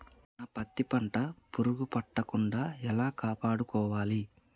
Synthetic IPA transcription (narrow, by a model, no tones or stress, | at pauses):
naːpɐt̪ːipɐɳʈɐpuɾuɡupɐʈːɐkuɳɖaːɛlaːkaːpaːɽukɔːʋaːli